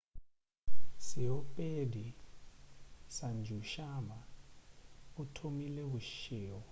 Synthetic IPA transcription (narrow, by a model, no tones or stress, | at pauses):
sɛɔpʼedʱi | sand͡ʒʱuʃaɓa | utʰomilɛuʃɛːwɔ